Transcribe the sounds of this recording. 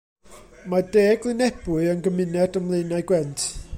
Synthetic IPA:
madeːɡlˠɪnɛb̥ʊɨənɡəmɪnɛdəmlˠejnaɨɡwɛntʰ

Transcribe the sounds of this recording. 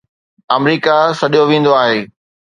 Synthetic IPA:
ɐmɾiːkasɐɗijoʋĩːn̆d̪oaːɦeː

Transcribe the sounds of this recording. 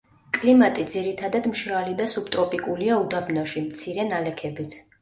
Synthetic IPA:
kʼlimat̪ʼid̪ziɾit̪ʰad̪ad̪mʃɾalid̪asup̚t̪ʼɾɔpʼikʼuliaud̪abnɔʃimt̪sʰiɾɛnalɛkʰɛbit̪ʰ

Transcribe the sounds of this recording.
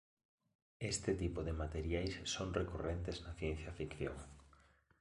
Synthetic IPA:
est̪ɪt̪ipoðemat̪eɾjajsːoŋrekurent̪eznɐθjen̟θjafikθjo̰ŋ

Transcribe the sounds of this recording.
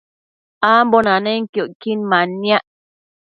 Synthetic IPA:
ambonaneŋkjoʔkinmanːjaʔ

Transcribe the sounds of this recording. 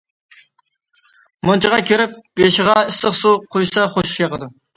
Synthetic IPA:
mont͡ʃʰəʁɑkʲʰeɾɪp̚beʃɪʁɑɪsəχsuqʰojsɑχoʃʃjɑqəd̪ɨ

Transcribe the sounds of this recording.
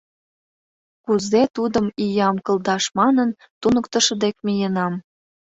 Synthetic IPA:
kuzet̪ud̪əmijɑmkɤ̆ld̪ɑʃmɑnən | t̪unə̆kt̪ə̆ʃɤ̆d̪ek̚mijənɑm

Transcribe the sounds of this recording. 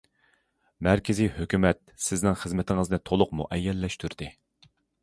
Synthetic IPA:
mæɾkʲʰɪzijhøkʲymɛt̪̚sɪznɪŋχəzmɪt̪ʰɪŋəznɨt̪ʰolˠʊqmṵʔɛjːɛlːɛʃt̪ʰyɾd̪̥ɪ

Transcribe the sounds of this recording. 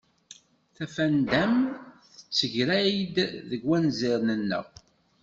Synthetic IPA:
θæfænd̪æmθθə̥t͡sːəʝɾæjd̪ðəɡwænzɪɾnənːə̰ʁ

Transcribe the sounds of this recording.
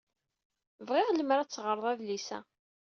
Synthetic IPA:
vʁɪʁləmɾæt͡sːʁəɾˤəðˤæðlisæ̰

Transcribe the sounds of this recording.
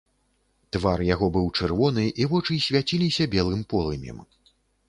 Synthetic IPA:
t̪varjaɣɔbɨwt͡ʂɨrvɔn̪ɨʔivɔt͡ʂɨsʲvʲjat͡sʲilʲisʲɐbʲɛlˠɨmpɔlˠɨmʲjɛ̰m

